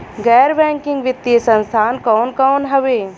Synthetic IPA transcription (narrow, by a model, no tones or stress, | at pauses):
ɡɛːɾbɛ̃ːŋkɪ̃ŋɡʋɪt̪ːisə̃nst̪ʰaːnkɔːnkɔːnɦɐʋeː